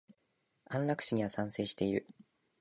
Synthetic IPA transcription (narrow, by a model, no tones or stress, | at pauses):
ãnɾakɯ̟̥ɕiɲ̟iβasãɰ̃se̞ːɕi̥t̪e̞iɾɯ̟